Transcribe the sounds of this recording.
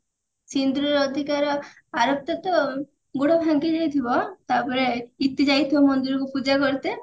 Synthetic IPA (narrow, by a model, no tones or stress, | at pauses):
sind̪ɾɔɾɔd̪ʱikaɾɔ | aɾɔp̚t̪at̪ɔ | ɡuɽɔbʱaŋkid͡ʒajt̪ʰibɔt̪apɔɾeit̪ːid͡ʒajt̪ʰibɔmɔnd̪iɾɔkupud͡ʒakɔɾit̪e